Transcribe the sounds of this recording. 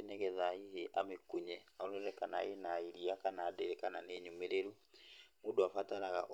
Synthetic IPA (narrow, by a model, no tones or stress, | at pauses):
enɛɣɛðaiheʔa̰mekuɲɛaoluɾɛkanaenaiɾiakanaːdɛɾɛkananeɲumeɾeɾumudoafataɾaɣa̰ʔ